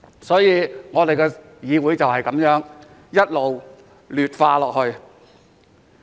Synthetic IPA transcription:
sɔː˨˥jiː˨˧ŋɔː˨˧d̪e˨jkɛː˧ | jiː˨˧wuː˨˥jt͡sɐ˨whɐ˨jkɐ˨˥mjœː˨˥ŋ | jɐ˥t̚lo˨w | lyː˨t̚faː˧lɔː˨k̚hɵ˧ɥ

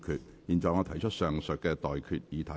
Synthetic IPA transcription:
kʰyː˨t̚jiː˨˩nt͡sɔː˨jŋɔː˨˧t̪ʰɐ˨˩jt͡ʃʰə˥t̚sœː˨ŋsɵ˨t̚kɛː˧t̪ɔː˨jkʰyː˨t̚jiː˨˧t̪ʰɐ˨˦

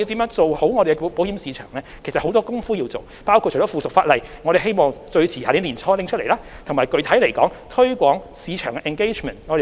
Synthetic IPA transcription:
ji˧wt̪iː˨˥mœ˨˥ŋt͡so˨who˨˥wŋɔː˨˧ɾe˨˩kɛ˥˨po˨˥whiː˨˥msiː˨˧t͡ʃʰœ̰ː˨˩ŋlɛː˥kʰsɐt̚ho˨˥wt̪ɔː˥kʊ˥ŋfuː˥ji˧wt͡so˨w | paː˥wkʰu˧˨˩ɔ˨˥fuː˨˩sʊ˨k̚faː˧t̚lɐ˨jŋɔː˨˧ɾe˨jɦe˥jmɔː˨ŋt͡sɵ˧ɥt͡sʰiː˨˩aː˨ɾiː˨˥nliː˨˩nt͡sʰɔː˥lɪ˧˥ŋt͡ʃʰt̚le˨˩laː˧˥t̪ʰʊ˨˩ŋmaː˨˩jkɵ˨ɥt̪ʰɐ˨˥jle˨˩jkɔː˨˥ŋt̪ʰɵ˥ɥkʷɔː˨˥ŋ | siː˨˧t͡ʃʰœː˨˩ŋkɛ˧ʔɛ˨nke˥jt͡ʃmɛː˨˩nŋɔː˨˧ɾe˨

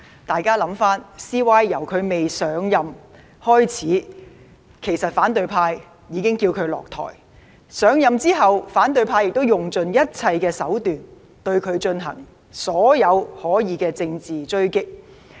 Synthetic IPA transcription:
t̪aː˨jkaː˥lɐ˨˥mfaː˥nsiː˥waː˥jjɐ˨˩wkʰɵ˨˧ɥme˨jsœː˨˥ŋjɐ˨˧m | hɔː˥jt͡sʰiː˨˥ | kʰe˨˩jsɐ˨t̚faː˨˥nt̪ɵ˨˧ɥpʰaː˧jː | iː˨˧kɪ˥ŋkiː˧wkʰɵ˨˧ɥlɔ̰ː˨k̚t̪ʰɔ̰ː˨˩j | sœː˨˥ŋjɐ˨mt͡siː˥ɦɐ˨wfaː˨˥nt̪ɵ˨ɥpʰaː˧jɪ˨k̚t̪o˥wjʊ˨ŋt͡ʃɵ˨njɐ˥t̚t͡sʰɐ˧jkɛː˧sɐ˨˥wt̪yː˨n | t̪ɵ˧ɥkʰɵ˨˧ɥt͡ʃɵ˧nɦɐ̰˨˩ŋ | sɔː˨˥jɐ˨˧whɔː˨˥jiː˨˧kɛː˧t͡sɪ˧ŋt͡siː˨t͡ʃɵ˥ɥkɪ˥k̚

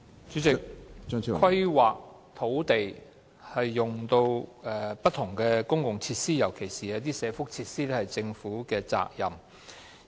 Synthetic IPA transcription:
t͡ʃyː˨˥t͡sɪ˨kkʷʰwɐ˥jwaː˨k̚ | t̪ʰo˨˥wt̪e˨j | hɐ˨jːʊ˨ŋt̪o˧wɛː˨pɐ˥t̪̚ʰʊ˨˩ŋkɛː˧kʊ˥ŋkʊ˨ŋt͡sʰiː˧t̚siː˥jɐ˨˩wkʰe˨˩jsiː˨ɛ˧˥t̪̬iː˥sɛː˨˧fʊ˥k̚t͡sʰiː˧t̚siː˥t̪ɛ˥hɐ˨jt͡sɪ˧ŋfuː˨˥kɛː˧t͡sa̰ː˧k̚jɐ˨m

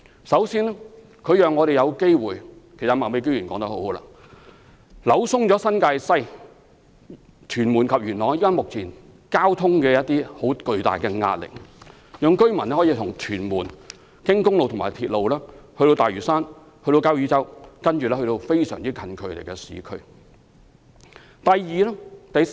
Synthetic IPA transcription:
sɐ˨˥wsiː˥nɛ˥ | kʰɵ˨˧ɥjœː˨ŋːɔː˨˧ɾe˨jɐ˨˧wke˥jwuː˨jkʰe˨˩sɐ˨˩maː˨˩me˨˧jkɵ˥ɥyː˨˩nkɔː˨˥ŋt̪ɐ˥k̚ho˨˥who˨˥wla̰ː˧ | lɐ˨˧˥wsʊ˥ŋt͡ʃɔː˨˥sɐ˥nkaː˧jsɐ˥j | t̪ʰyː˨˩nmuː˨˩nkʰɐ˨p̚jyː˨˩nlɔː˨ŋjiː˥waː˥nmʊ˨k̚t͡sʰiː˨˩n | kaː˥wt̪ʰʊ˥ŋkɛː˧jɐ˥t̚t̪iː˥ho˨˥wkɵ˧ɥt̪a̰ː˨˩jkɛ˧ŋa̰ː˧t̚lɪ̰˨k̚ | jœː˨˧ŋkɵ˥ɥmɐ˨˩nɛː˥hɔ˨˥jiː˧t̪ʰʊ˨˩ŋt̪ʰyː˨˩nmuː˨˩n | kɪ˥ŋkʊ˥ŋlo˨wt̪ʰʊ˨˩ŋmaː˨˩t̪ʰiː˧t̚lo˨˧wlɛː˥hɵ˧ɾo˧wt̪aː˨jɥyː˨˩saː˥n | hɵ˧t̪o˧kaː˥wjyː˨˧t͡sɐ˥wkɐ˥nt͡ʃyː˨lɛː˥hɵ˧t̪o˧wfe˥jsœ̰ː˨˩ŋt͡siː˥kʰɐ˧nkʰɵ˨˧ɥt̪e˨˩jkɛ˧sḭː˨˥kʰɵ˥ɥ | t̪ɐ˨jjiː˨lɛː˥t̪ɐ˨˧j

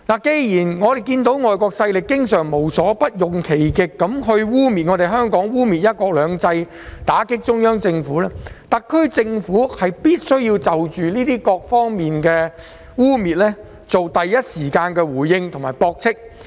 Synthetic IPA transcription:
naː˨˩ke˨˧jjiː˨˩nŋɔː˨˧d̪e˨jkiː˧nt̪o˨˥wŋɔː˨jkɔː˧ksɐ˧jlɪ˨kːɪ˥ŋsœː˨˩ŋmo˨˩wsɔː˨˥pɐ˥t̚jʊ˨˩ŋkʰe˨˩jkɪ˨˧kːɐ˨˥mɦɵ˧ɥwuː˥miː˨t̚ŋɔ˨˧t̪e˨jɦœː˥ŋkɔː˨˥ŋwuː˥miː˨t̚jɐ˥t̚kɔː˧k̚lœː˨˧ŋt͡sɐ˧j | t̪aː˨˥kɪ˥k̚t͡ʃʊ˥ŋjœː˥ŋt͡sɪ˧ŋfuː˨˥lɛː˥t̪ɐ˨kʰːɵ˥ɥt͡sɪ˧ŋfuː˨˥hɐ˨jpiː˥t̚sɵ˥ɥjiː˧wt͡sɐ˨wt͡ʃyː˨niː˥t̪iː˥kɔː˧k̚fɔː˥ŋmiː˨nkɛː˧ | wuː˥miː˨t̚lɛː˥ | t͡so˨wt̪ɐ˨jːɐ˥t̚siː˨˩kaː˧nkɛː˧wuː˨˩jːɪ˧ŋt̪ʰʊ˨ŋmaː˨˩jpɔː˧k̚t͡sʰɪ˥k̚

